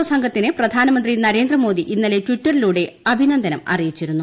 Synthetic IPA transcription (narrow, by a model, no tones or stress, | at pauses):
sɐŋɡʱɐt̪ːineprɐd̪ʱaːnɐmɐnd̪rinɐɾe̞ːnd̪rɐmo̞ːd̪iʔinːɐle̞twiʈːɐriluːɽe̞ɐbʱinɐnd̪ʱɐnɐmɐ̰rijit͡ɕːiɾunːu